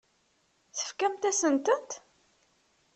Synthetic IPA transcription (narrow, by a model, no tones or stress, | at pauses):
θə̥fkæmt̪æsənt̪ənt̪